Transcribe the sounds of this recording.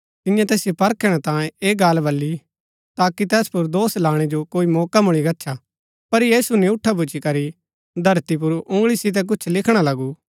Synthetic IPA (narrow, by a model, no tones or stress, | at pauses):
t̪ɪjãt̪ɛːsɪjopɐɾkɛɽ̃at̪ãːẽeːɡaːlbɐlːi | t̪aːkit̪ɛːspʊɾd̪oːslaːɽ̃ɛd͡ʒokoːimɔːkamʊɽ̃iɡɐtːʃʰa | pɐɾjiːsunĩʊʈʰːap̬ʊt͡ʃikɐɾi | d̪ʱɐɾt̪ip̬ʊɾʊ̃ŋɡɭisɪt̪̬ɛk̬ʊt͡ʃʰlɪkʰɽ̃alɐɡu